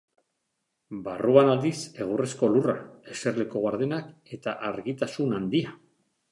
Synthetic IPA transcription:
baruanald̪ise̞ɣ̞uresko̞lura̰e̞se̞ɾle̞ko̞ɣaɾðenake̞t̪aʔaɾɣit̪asunand̪ia

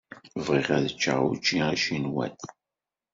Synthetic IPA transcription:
vʁiʁæðət͡ʃːa̰ʁṵt͡ʃːiʁaʃinwæ̰t̪

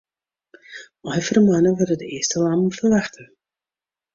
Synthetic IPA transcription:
ɔjfəɾəmanəvɔdədəɪːstəlamfərvaχtə

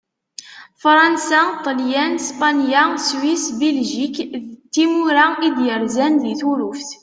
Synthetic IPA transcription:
fɾˤɑnsæt̪ˤːljænspɑnjaswisbelʒikðt̪ːimuɾaid̪jəɾzænðiθuɾufθ

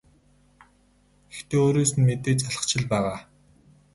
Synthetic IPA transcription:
ɡ̥ext̪ʰeːoːɾoːsɘ̆nmet̪eːt͡ɕaɮə̥̆χt͡ɕʰɪ̆ɮpæːʁaː

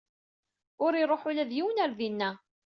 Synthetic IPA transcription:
ʊɾiɾˤoħulæðjiwənæɾðinːæ

